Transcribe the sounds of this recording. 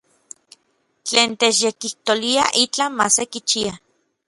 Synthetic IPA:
t͡ɬeːnt̪eːt͡ʃjekiht̪oliaʔit͡ɬamasekit͡ʃia

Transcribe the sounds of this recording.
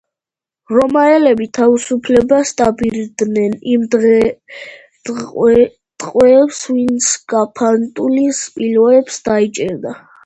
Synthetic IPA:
ɾɔmaɛlɛbit̪ʰavisupʰlɛbast̪ʼabiɾd̪nɛnimd̪ | t̪ʼqʼwɛːpsvint̪sʰɡ̥apʰant̪ʼulispʼilɔɛpsd̪ait͡ʃʼɛɾd̪a

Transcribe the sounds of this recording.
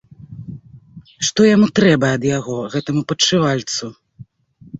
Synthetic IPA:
ʂt̪ɔjamut̪ɾɛbɐɐd̪jaɣɔɣɛt̪ɐmupɐt͡ʂːɨvalʲt̪su

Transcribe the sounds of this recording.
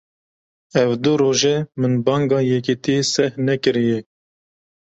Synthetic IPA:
ɛvd̪uɾoːʒemɨnbɑːŋɡɑːjɛkit̪isɛhnɛkɨɾijɛ

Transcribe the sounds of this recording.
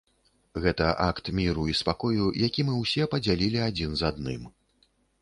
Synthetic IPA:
ɣɛt̪ɐʔakt̪mʲiɾuispakɔjujakʲimɨwsʲɛpɐd͡zʲalʲilʲiad͡zʲinzad̪nɨ̰m

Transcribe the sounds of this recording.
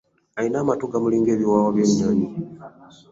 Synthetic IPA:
ainaːmatuɡamuliːŋɡe̞ːβiwaːwaβjeːmɲaːɲi

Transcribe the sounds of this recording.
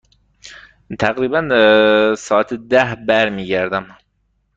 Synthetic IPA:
t̪ʰæɣɾiːbæn | sɒːæt̪ʰd̪æhbæɾmiːɟæɾd̪æm

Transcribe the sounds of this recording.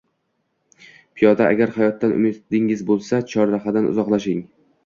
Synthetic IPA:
pʰɪjɒd̪aʔa̰ɡʲaɾhajɒt̪ːanʊ̰mɪt̪d̪ɪŋɪzbolˠsat͡ʃʰɒɾɾaχɑd̪anʊ̰zɒqlˠaʃɪŋ

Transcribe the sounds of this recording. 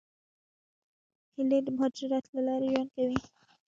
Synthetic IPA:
hɪled̪əmʊɦɑd͡ʒɾɪɾɑt̪lalɑɾeʒwan̚kawi

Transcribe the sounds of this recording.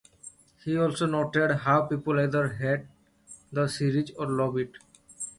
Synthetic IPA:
hiɔlsonoʈeɖɦawpipolajd̪əɾɦɛɖ̚ | d̪əsiɾid͡ʒɔɾlɔbiʈ

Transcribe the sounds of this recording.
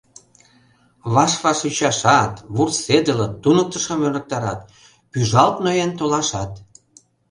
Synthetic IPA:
βɑʃβɑʃut͡ɕɑʃɑt̪βursed̪ə̆lət̪ːunək̚t̪ə̆ʃə̆mønlə̆k̚t̪ɑɾɑ̰t̪ | pyʒɑlt̪nojent̪olɑʃɑt̪

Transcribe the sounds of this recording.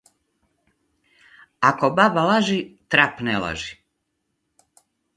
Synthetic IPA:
akobabalaʒit̪ɾapnelˠa̰ʒi

